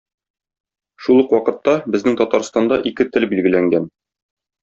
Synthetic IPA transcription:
ʃulˠɤqwɒqɤ̆t̪ːɑbɘ̆znɘŋt̪ɒt̪ɑɾst̪ɑnd̪ɑʔikɘt̪ɘlbilɡɘ̆læŋɡæn

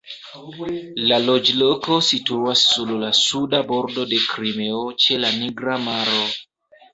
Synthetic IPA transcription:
lalod͡ʒlokosituasːululasudaboɾdodekɾimeot͡ʃelaniɡɾamaɾo

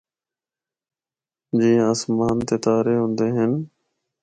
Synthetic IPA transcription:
d͡ʒĩːaːsmaːnt̪eːt̪aːɾeːɦʊ̃ːnd̪eːɦən

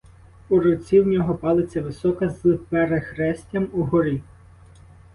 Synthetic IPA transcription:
uɾɔt͡sʲiwnʲɔɦɔpɑlˠet͡sʲːɐʋɪsɔkɐzlɪpɛɾexɾɛsʲtʲɐmuɦɔɾʲi

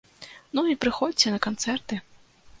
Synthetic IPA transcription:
nuipɾɨxɔd͡zʲt͡sʲɛnɐkant̪sɛrt̪ɨ

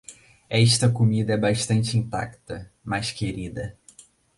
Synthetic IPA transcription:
ɛʃt̪ɐkomid̪ɐɛbaʃt̪ɐ̃nt͡ʃɪĩnt̪a̰kt̪ɐ | majskeɾid̪ɐ

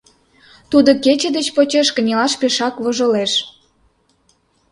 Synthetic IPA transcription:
t̪ud̪oket͡ɕĕd̪et͡ɕpot͡ɕeʃkə̆nʲelɑʃpeʃɑkβoʒə̆leʃ

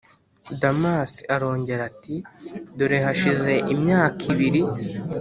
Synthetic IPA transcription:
damasi̥aɾo̞ːɲɟe̞ɾatiduɾeɦaʃize̞ʔimɲaːkʰiβiɾi

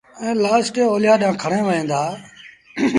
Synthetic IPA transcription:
ɛ̃ːlaːsʈeoːlɪjaːɗãːkʰəɽ̃ẽːʋəẽːnd̪aː

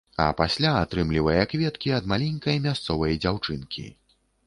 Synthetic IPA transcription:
ɐ̰pasʲlʲaːt̪ɾɨmlʲivɐjɐkvʲɛt̪kʲiɐd̪malʲɛnʲkɐjmʲast̪sɔvɐjɐd͡zʲawt͡ʂɨnkʲḭ

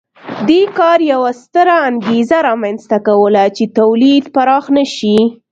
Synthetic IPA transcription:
d̪ekɑɾjawast̪əɾaːŋɡezaɾɑmanst̪akawəlat͡ʃet̪awlid̪paɾɑxnəʃi

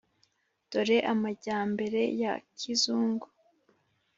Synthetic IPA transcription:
d̥o̞ɾe̞ʔamaɟaːmbe̞ɾe̞jakʰizuːŋɡo

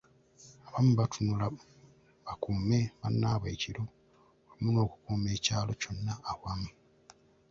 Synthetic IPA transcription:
aβamuβatʰunula | βakuːme̞βanːaːβaiciɾo̞ | βamuno̞ːku̥kuːme̞ːcaːlo̞co̞nːaːβwamu

